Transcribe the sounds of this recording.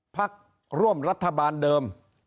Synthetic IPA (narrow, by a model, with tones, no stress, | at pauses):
pʰa˦˥k̚ | ɾu˥˩əmɾa˦˥t̪ʰːa˧baː˧ndɤː˧m